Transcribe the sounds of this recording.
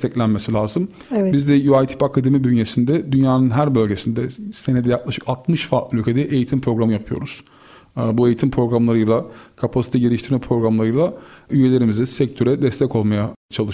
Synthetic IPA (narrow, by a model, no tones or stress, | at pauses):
t̪ʰɛclʲænme̞silʲaːzɯm | bizd̪ɛjuajt̪ʰi̥pakʰad̪e̞mibynjesind̪ɛd̪ynjaːnɯnɦæɾbø̞lʲɟe̞sind̪ɛsened̪ɛjaklˠaʃɯ̥kat̪mɯʃfaːt̪blʲycʰed̪ɛʔejit̪ʰimpʰɾo̞ɡɾamɯjapʰɯjo̰ɾuz̥ | bue̞jit̪ʰimpʰɾo̞ɡɾamlˠaɾɯjlˠakʰapʰasit̪ʰɛɟe̞ɾiʃt̪ʰiɾmɛpʰɾo̞ɡɾamlˠaɾɯjlˠayje̞lʲe̞ɾimizd̪ɛsɛc̚t̪ʰø̞ɾɛd̪ɛst̪ʰɛco̞lˠmajat͡ʃʰalˠɯʃ